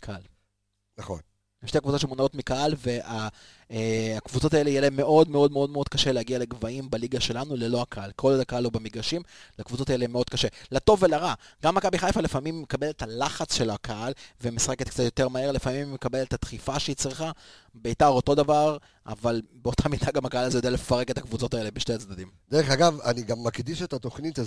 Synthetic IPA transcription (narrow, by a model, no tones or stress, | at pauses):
kʰal | naχo̰n | jeʃtekvut͡saʃemonao̞tmikaalveʔa | eakvut͡so̞taelejeleme̞ʔo̞dme̞o̞meo̞dmeo̞d̪kaʃeleaɡialeɡvaimbaliɡaʃe̞lanulelo̞akaalkʰo̞ldakaalobamiɡaʃimlakvut͡so̞taelemeo̞d̪̚kaʃe̞lato̞vːelaʁaɡ̥amːakabiχajfalefamimːekabe̞let̪alaχat͡sʃe̞lakʰaalvemisḁχeket̪̚kt͡sat̪joteʁmae̞ʁlefamimːekabe̞let̪at̪χifaʃeit͡sʁiχabeitaʁo̞to̞davaʁ | a̰valbeo̞tʰamid̪aɡamakaalazejode̞alefaʁe̞ke̞t̪akvut͡so̞t̪ae̞le̞biʃtejat͡sd̪adimd̥̪eʁeχaɡavaniɡamːakd̪iʃet̪at̪oχnit̪a